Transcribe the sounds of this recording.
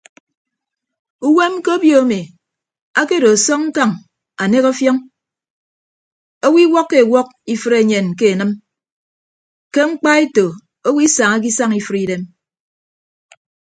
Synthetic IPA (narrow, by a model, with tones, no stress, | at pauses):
u˦we˦m˦ko˦bjo˦a˦me˨ | a˦ke˦do˨sɔ˦ŋ̚ŋ̩˦ka˦ŋ | a˨ne˦ko˦fjɔ˦ŋ | o˦wi˦wɔ˦kːe˨wɔ˦k̚i˦fɨ˦ɾe˨ɲe˨nk̬e˦e˨nɨ˦m | ke˦ŋ͡m̩˦k͡pa˦e˦to˨ | o˦wi˦sa˨ŋa˦k̬i˦sa˦ŋi˦fɨ˦ɾi˦de˦m